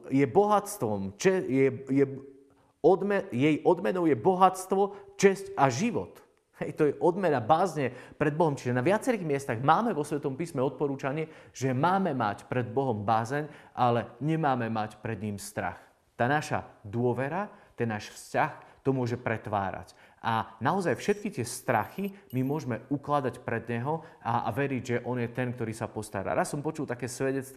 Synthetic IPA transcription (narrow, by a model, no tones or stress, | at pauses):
jɛbɔɦat͡st̪ʋɔmt͡ʃɛjɛjɛ | ɔd̪mɛjɛjʔɔd̪mɛnɔʊjɛbɔɦat͡st̪ʋɔt͡ʃɛscaʒiʋɔ̰t̪ | hɛjt̪ɔjɛʔɔd̪mɛnabaːzɲɛpɾɛd̪bɔɦɔmt͡ʃiʒɛnaʋɪat͡sɛɾiːɣmɪɛst̪aɣmaːmɛʋɔsʋɛt̪ɔmpiːsmɛɔt̪̚pɔɾuːt͡ʃaɲɪɛʒ̥ɛmaːmɛma̰cpɾɛd̪̚bɔɦɔmbaːzɛɲʔalɛɲɛmaːmɛmacpɾɛd̪ɲiːmst̪ɾa̰x | t̪aːnaʃa̰d̪ʊɔʋɛɾat̪ɛnːaːʃfscaxt̪ɔmʊɔʒɛpɾɛt̪ʋa̰ːɾa̰cʔanaɔzajfʃɛt̪̚kit̪ɪɛst̪ɾa̰ximimʊɔʒmɛuklad̪acpɾɛd̪ɲɛɦɔa̰ʋɛɾiɟʒɛʔɔnjɛt̪ɛnk̚t̪ɔɾiːsapɔst̪a̰ɾa̰ːɾasːɔmpɔt͡ʃult̪akɛːsʋɛɟɛt͡st̪